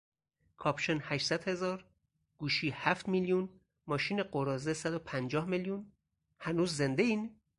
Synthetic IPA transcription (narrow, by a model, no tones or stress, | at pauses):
kʰɒːpʃenhæʃsæd̪̥he̞zɒːɾ | ɡ̥uːʃiːhæft̪miljun | mɒːʃiːneɢoɾɒːzesæd̪opʰænd͡ʒɒːhmeljun | hænuːzːe̞nd̪eiːn